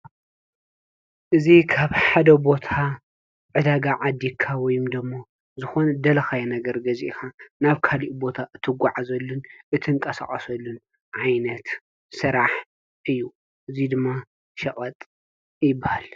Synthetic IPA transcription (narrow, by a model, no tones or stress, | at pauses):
ʔɨzikʰaβħad̪ɐbo̞t̪ʰa | ʕɨd̪aɡaʕad̪ːikʰawɔjumd̪ɐmːo | zɨxonɐd̪ɐlɐxajɛnɐɡɐɾɡɐzḭʔkʰanaβkʰaliʔbo̞t̪ʰaʔɨt̪ʰɨɡʷaʕazɐlːunʔɨt̪ʰɨŋkʼɐsa̰χʼɐsɐlːun | ʕajnɐt̪ | sɨɾaħ | ʔɨjːu | ʔɨzid̪ɨmːa | ʃɐkʼɐt̪ʼ | jɪbːahal